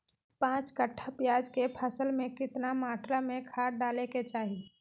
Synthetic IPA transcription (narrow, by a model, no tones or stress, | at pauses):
pãːt͡ʃkəʈʰːapjaːd͡ʒkepʰəsəlmẽkɪt̪namaːʈʰɾamẽkʰaːɾɖaːleket͡ʃaːɦi